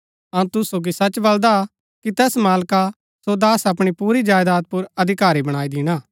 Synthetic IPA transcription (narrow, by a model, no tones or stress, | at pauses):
ɐũt̪ʊsoɡisɐt͡ʃbɐld̪a | kit̪ɛːsmaːlka | sod̪aːsɐpɽ̃ipuːɾid͡ʒaːjd̪aːt̪̚pʊɾɐd̪ʱɪkaːɾibɐɽ̃aːid̪ɪɽ̃aː